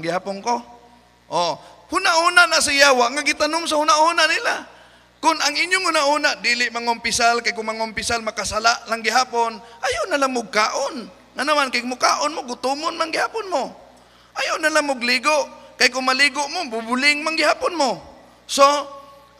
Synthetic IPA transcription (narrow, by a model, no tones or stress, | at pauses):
ŋɡɪhaːpʊnko | ʔohʊnaʔhunaʔnas̬ajaːwaʔŋaɡɪt̪anʊŋsahʊnaʔhunaʔnɪla | kʊnaŋʔɪɲjʊŋhʊnaʔhuːnaʔd̪iːlɪʔmaŋʊmpɪsalkajkʊŋmaŋʊmpɪsalmakasalaʔlaŋɡɪɦaːponʔajanalaŋmʊɡ̚kaːʔon | ŋanamankaj̚mʊka̰ːʔonmoɡʊt̪ʊmʊnmaŋɡɪhaːpʊnmo | ʔajanalaŋmʊɡliːɡoʔkajkʊŋmaliːɡʊʔmobʊbʊlɪŋmaŋɡɪhaːpʊnmo | so